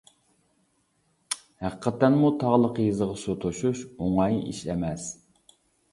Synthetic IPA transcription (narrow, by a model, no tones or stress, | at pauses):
hæqʰə̥qʰɛt̪ːɛnmut̪ʰɑʁlˠəqjizəʁɑsot̪ʰoʃuʃoŋɑjḭʃɛmɛs